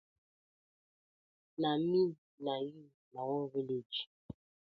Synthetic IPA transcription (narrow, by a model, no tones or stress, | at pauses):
nami | naji | nawɔviled͡ʒ